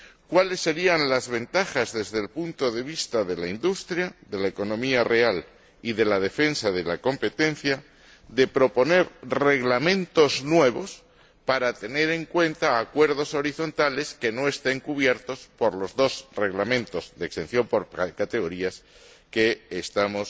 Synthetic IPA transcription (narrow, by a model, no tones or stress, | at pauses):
kwale̞sːe̞ɾianlazβe̞nt̪axazðe̞zðe̞lpunt̪o̞ðe̞β̞ist̪aðe̞laind̪ust̪ɾjaðe̞laeko̞nõ̞miare̞al | iðe̞lað̞e̞fe̞nsaðe̞lako̞mpe̞t̪ẽ̞nθja | ðe̞pɾo̞po̞ne̞ɾre̞ɣlamẽ̞nt̪o̞znwe̞β̞o̞s | paɾat̪e̞ne̞ɾe̞ŋkwẽ̞nt̪aːkwe̞ɾðo̞so̞ɾiθo̞nt̪ale̞ske̞no̞e̞st̪e̞ŋkuβje̞ɾt̪o̞spo̞ɾlo̞zðo̞zre̞ɣlamẽnt̪o̞zðeekst̪e̞n̟θjo̞mpo̞ɾkat̪e̞ɣ̞o̞ɾias | keːst̪amo̞s